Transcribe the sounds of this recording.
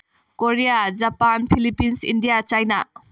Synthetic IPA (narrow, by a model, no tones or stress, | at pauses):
koɾijad͡ʒapanpʰilipinsḭndijat͡ʃajna